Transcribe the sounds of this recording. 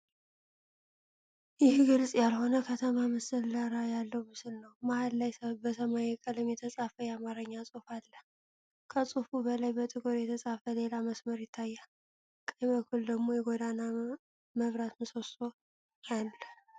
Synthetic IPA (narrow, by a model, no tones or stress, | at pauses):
jɪhɡɨlsʼjalho̞nəkʰət̪ʰəmaməsəlːaɾajalːəwmɨsɨlnəwmahalːajbəsəmajɛkʼəlɨmjɛt̪ʰəsʼafəjɛamaɾəɲːasʼufalːə | kʰəsʼufubəlajbət̪ʼɨɡʼoɾjɛt̪ʰəsʼafəle̞laməsməɾjɪt̪ʰːajːa | kʼəməkʰuld̪əɡmo̞jɛɡo̞d̪ana | məβɾat̪mɨso̞so | alːə